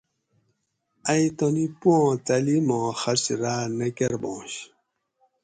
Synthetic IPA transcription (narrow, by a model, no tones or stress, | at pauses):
ajtɔ̃nipwɔ̃talimɔ̃xaɾsiɾanɛkɛɾbɔ̰̃ːʃ